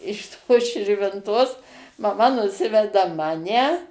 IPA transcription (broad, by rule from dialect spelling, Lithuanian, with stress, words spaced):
ɪʃ ˈtoːs ʃʲɪrʲʋʲɪnˈtoːs mɐˈmɐ nʊˈsʲɪʋʲɛdɐ ˈmɑːnʲɛ